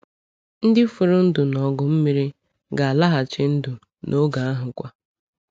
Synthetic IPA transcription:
n̩˦dɪ˦fʊ˨ɾʊ˦n̩˦dʊ˨nɔ˨ɡʊ˨m̩˦mi˦ɾi˦ | ɡa˨a˨la˦ɦa˨t͡ʃɪ˦n̩˦dʊ˨ | nʔo˦ɡa˨a˦ɦʊ˨kʷa˦

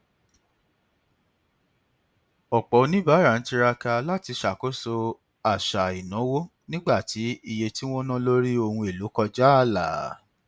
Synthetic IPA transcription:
ɔ˨k͡pɔ˨˧˦nĩ˦ba˨˦ɾa˨n̩˨˦ti˧ɾa˧ka˧la˦ti˧ʃa˨ko˦so˧ | a˨ʃa˨i˨nã˨˦wo˦ | nĩ˦ɡ͡ba˦˨ti˨˦i˦˧je˧ti˦w̃ɔ̃˦nã˦lo˦ɾi˦o˧hũ˧e˨lu˨˦kɔ˧d͡ʒa˦a˦˨la̰˨˦

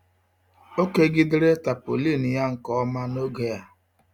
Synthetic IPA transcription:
o˦ke˦ɡɪ˦dɪ˦ɾe˦ta˨po̰˨li˦˨n̩˨ja˦ŋ̩˨kɔ˦ɔ˦ma˦no˦ɡe˦ja˦

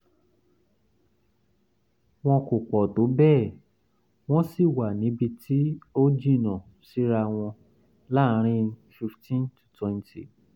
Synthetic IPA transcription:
w̃ɔ̃˧ko˨k͡pɔ˨do˨˦bɛː˦˨ | w̃ɔ̃˦si˦˨wa˨nĩ˨˦bi˧tʰi˦o˦d͡ʒi˦˨nã˨ | si˨˦ɾa˧w̃ɔ̃˧ | la˦ɾ̃ĩ˦fi˧ftĩ˦ntu̥˨twɛ̃˦˧n˦ti˨

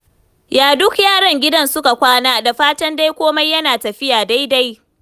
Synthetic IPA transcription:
jaː˨dʊ˦kjaː˦˨ɽɐ˨ŋɡʲɪ˦dɐ˦nsʊ˦ka˨kʷaː˦naː˦da˨ɸaː˦tɐ˦nda˦jkʷoː˦ma˦jːɐ˦naː˨tɐ˨ɸɪ˦jaː˨da˦jda˦j

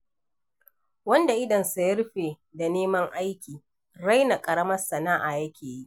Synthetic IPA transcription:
wɐ˦nda˨ʔɪ˦dɐ˨nsu˨jɐ˦ɾɸeː˨ | da˨neː˦mɐ˦ŋʔa˦jkʲiː˨ | ɾa˦jna˨kʼɐ˨ɽɐ˦mɐ˦rsɐ˨naː˦ʔa˨jɐ˦kʲeː˨ji˦ʔ

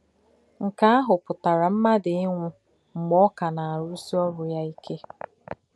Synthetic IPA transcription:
ŋ̩˨ka˦a˦ɦʊ˨pʊ˨ta˨ɾa˨m̩˦ma˦dɪ˨ɪ˦ŋʷʊ˦ | ŋ͡m̩˨ɡ͡bɔ˦ka˨na˨a˨ɾʊ˦si˦ɔ˦ɾʊ˨ja˦i˦kʰe˦

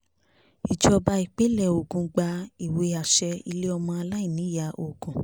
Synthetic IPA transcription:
i˨d͡ʒɔ˧ba˧i˨k͡pe˨˦lɛ˦˨o˨ɡũ˧ɡ͡ba˧i˨we˧˦a˨ʃɛ˧i˧le˦ɔ˧mɔ̃˧a˧la˦i˦˨nĩ˨˦ja˧˨o˨ɡũ˨

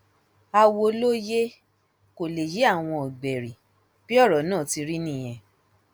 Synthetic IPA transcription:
a˧wo˧lo˦je˦ | ko˨le˨je˨˦a˦˨w̃ɔ̃˧ɔ˨ɡ͡bɛ˨ɾi˨ | b̥i˦ɔ˦˨ɾɔ˨˦nãː˦˨ti˧ɾi˦nĩ˦˨j̃ɛ̃˧˨

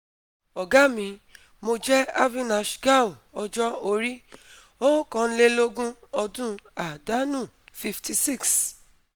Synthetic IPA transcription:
ɔ˨ɡa˦mĩ˨˧ | mo˧d͡ʒɛ˦a˦vĩ˦na˨ʃɡa˦˨o˨ɔ˧d͡ʒɔ˦o˧ɾi˦ | o˦kɔ̃˧n̩˦le˦lo˦ɡũ˦ɔ˧dũ˦a˨da˨˦nũ˦˨fi˧ftʰi˧si˦˨ks

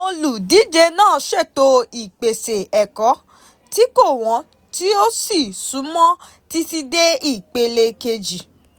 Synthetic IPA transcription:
o˧lu˨di˨˦d͡ʒe˧nãː˦˨ʃɛ˦˨to˧i˨k͡pe˨se˨ɛ˨kɔ˨˦ | ti˦ko˦˨w̃ɔ̃˨˦ | ti˦o˦si˦˨su˨˦mɔ̃˦ | ti˧ti˧de˦i˦˨k͡pe˧le˧ke˧d͡ʒi˨

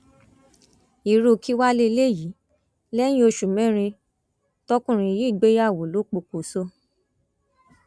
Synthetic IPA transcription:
i˨˧ɾo˧ki˦wa˦le˦˧˦le˦˨ji˨˦ | lɛ˦j̃ĩ˦o˧ʃu˨mɛ̃˦ɾ̃ĩ˧ | tɔ˦kũ˦˨ɾ̃ĩ˧ji˦˨ɡ͡be˦ja˦˨wo˨lo˨˦k͡po˧ko˨so˦

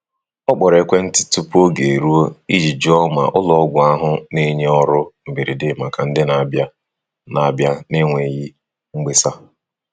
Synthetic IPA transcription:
ɔ˦k͡pɔ˨ɾe˨kʷe˦n̩˦tɪ̥˨tu˦pu˦o˦ɡe˨ɾu˦o˦i˦d͡ʒi˨d͡ʒɔ˦ma̰˨ʔʊ˦lɔ˨ɔ˦ɡʷʊ˨a˦ɦʊ˦ne˦ɲe˦ɔ˦ɾʊ˦m̩˨bi˨ɾi˨dɪ˦ma˨ka˨n̩˦dɪ˦na˨bja˦ | na˨bja˦ne˦ŋʷe˨ji˦ | ŋ͡m̩˦ɡ͡be˦sa˦

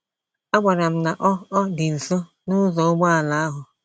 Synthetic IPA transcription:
a˦ɡ͡bʷa˨ɾa˨m̩˦na˨ʔɔ˦ɔ˦dɪ˨n̩˨so˦ | nʊ˦zɔ˨˦ʊ˦ɡ͡bɔ˦a˨la˨˦a˦ɦʊ˨

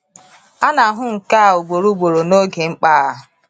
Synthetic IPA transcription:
a˦na˨˦ɦʊ˦ŋ̩˨ka˦˨o˨ɡ͡bo˨ɾu˦ɡ͡bo˨ɾo˨no˦ɡe˨ŋ͡m̩˦k͡pa˦˨

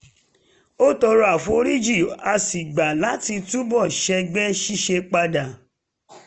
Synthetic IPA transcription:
o˦tɔ˧ɾu˦a˦˨fu˦o˧ɾi˦d͡ʒi˦˨a˧si˨ɡ͡ba˨la˨˦ti˧tu˦bɔ˦˨ʃɛ˧ɡ͡bɛ˦ʃi˦ʃe˧k͡pa˧da˨

